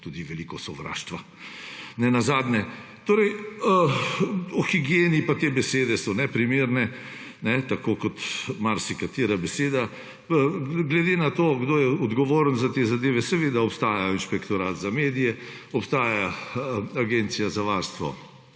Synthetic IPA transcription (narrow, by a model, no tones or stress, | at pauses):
t̪uːd̪iʋɛlikɔsɔʋɾa̰ːʃt̪ʋa | nɛnazaːd̪nɛ | t̪oːɾɛj | ɔxiɡijeːnipat̪eːbɛseːd̪ɛsɔnɛpɾimeːɾnɛ | nɛt̪akoːkɔt̪maɾsikat̪iːɾabɛseːd̪a | ɡlɛd̪eːnat̪oːɡd̪oːjɛɔd̪ɡɔʋoːɾənzat̪eːzad̪eːʋɛsɛʋeːd̪aɔpst̪aːjajɔinʃpɛkt̪ɔɾaːt̪zameːd̪ijɛ | ɔpst̪aːjaaaɡent̪sijazaʋaɾst̪ʋɔ̰